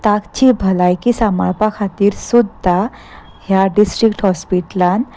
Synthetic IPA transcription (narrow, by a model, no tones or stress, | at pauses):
t̪akt͡ɕibʱəlajkisamaɭpakʰat̪iːɾsud̪ʱa | hjaɖisʈɾikʈhɔspiʈlan